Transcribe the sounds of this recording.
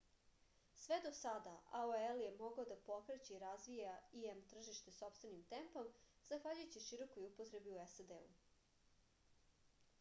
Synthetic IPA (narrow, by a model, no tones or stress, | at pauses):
sʋe̞d̪osad̪aʔaoelje̞mo̞ɡaod̪apo̞kɾet͡ɕeiɾazʋijaiemt̪r̩ʒiʃt̪e̞so̞pst̪ve̞nimt̪empomzaxʋaʎujt͡ɕiʃiɾo̞kojupot̪ɾe̞biuesad̪eu